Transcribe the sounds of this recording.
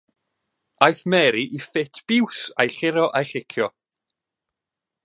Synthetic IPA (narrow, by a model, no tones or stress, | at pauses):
ajθmɛɾiʔifɪtʰb̥ɪwsajχɪɾɔʔajɬɪkʰjɔ